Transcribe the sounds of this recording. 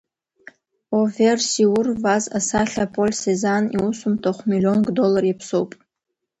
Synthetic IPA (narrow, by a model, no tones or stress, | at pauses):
oversiwʊrvazasaɬʲapʰʼo̞lʲsezanḭwusumtʰoχʷmilio̞nɡdo̞larjipʰsowpʼ